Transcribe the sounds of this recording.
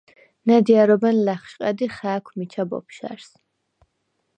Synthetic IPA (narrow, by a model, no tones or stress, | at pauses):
nad̪iaɾɔbɛnlæχʃqʼɛd̪iχæːkʷʰmit͡ʃʰabɔ̰pʰʃa̰ɾs